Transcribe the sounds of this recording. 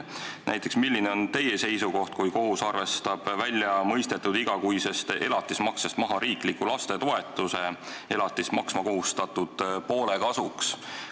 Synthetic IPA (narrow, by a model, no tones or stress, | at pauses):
næ̰jt̪ˑːe̞ksmilːineo̞nt̪e̞jese̞jsuko̞ht̪̚kujko̞ɦusɑrve̞st̪ɑb̥vælʲjɑmɤjst̪e̞t̪ːˑud̪iɡ̥ɑkujse̞st̪e̞lɑt̪ːˑismɑksest̪mɑɦɑɾiːklikːulɑst̪e̞t̪o̞e̞t̪ːˑuse̞e̞lɑt̪ːˑismɑksmɑko̞ɦust̪ɑt̪ud̪̥po̞ːle̞kɑsuks